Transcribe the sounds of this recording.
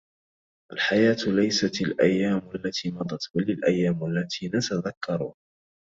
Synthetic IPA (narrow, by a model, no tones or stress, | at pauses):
ʔalħajaːt̪lajsat̪alʔajːaːmʔalːat̪ʰiːmɑd̪ˤɑt̪balalʔajːaːmalːat̪ʰiːnat̪aðakʰːɑɾˤu